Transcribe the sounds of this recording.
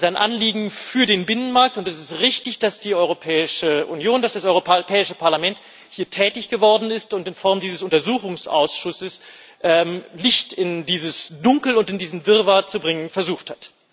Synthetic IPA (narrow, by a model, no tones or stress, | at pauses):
zaɪnʔa̰nliːɡŋ̩fyːɐdeːnbɪnənmaɐk̚tʊntɛsɪstʁɪçtɪçd̥asd̥iːɔʏʁopʰɛːɪʃəʔunjoːndasd̥asʔɔʏʁopʰɛːɪʃəpʰaɐlamɛnt | hiːɐtʰɛːtɪçɡ̥əvɔɐdn̩ɪstʊntɪnfɔɐmdiːzəsʊntɐzuːxʊŋsʔa̰ʊsʃʊsəs | ʔɛmlɪçtɪndiːzəsd̥ʊŋkl̩ʊntɪndiːzn̩vɪʁvat͡subʁɪŋənfɛɐzuːxthat